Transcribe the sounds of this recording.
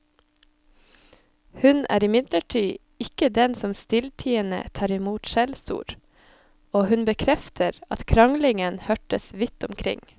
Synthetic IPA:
hʉnʔæ̰ːɾɪmɪd̪ləʈʰyː | ɪkəd̪ɛnsɔmst̪ɪlʈ̪ʰiːənə̰t̪ʰɑːɾɪmuːt̪ʃɛlsṵːɾ | oːhʉnbəkʰɾɛft̪ʰəɾɑt̪kʰɾɑŋlɪŋənhœʈəsʋɪt̪ʊmkʰɾɪ̰ŋ

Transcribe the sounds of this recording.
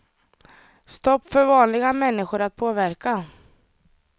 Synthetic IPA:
st̪ɔpːfœɾvɑːnlɪɡamɛnːɪɧʊɾat̪̚pʰoːvæɾka

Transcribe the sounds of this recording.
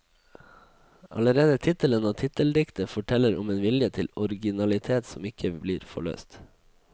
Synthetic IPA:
ʔɑ̰ləɾeːd̪ət̪ʰɪt̪ələnoːt̪ʰɪt̪əld̪ɪkt̪əfɔʈʰɛləɾɔmeːnʋɪljət̪ʰɪlɔɾɡɪnɑlɪt̪ʰeːt̪sɔmɪkʰəbliːɾfɔ̰ɭø̰ːst̪

